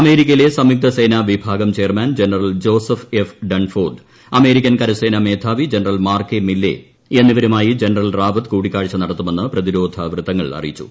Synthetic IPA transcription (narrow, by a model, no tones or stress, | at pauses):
ɐme̞ːɾikʲːɐjile̞sɐmjuk̚t̪ɐse̞ːnaʋibʱaːɡɐmt͡ɕeːrmaːnd͡ʑenɐrɐld͡ʑo̞ːsɐfefɖɐɳfoːrɖ | ɐme̞ːɾikʲːɐnkɐɾɐseːname̞ːd̪ʰʱaːʋid͡ʑenɐrɐlmaːrkemilːḛ | enːiʋɐɾumaːjid͡ʑe̞nɐrɐlraːʋɐt̪kuːɽikʲːaːɻit͡ɕːɐnɐɽɐt̪ːume̞nːɨprɐðiɾo̞ːd̪ʱɐʋrɨt̪ːɐŋːɐɭɐ̰rḭjit͡ɕːu̥̰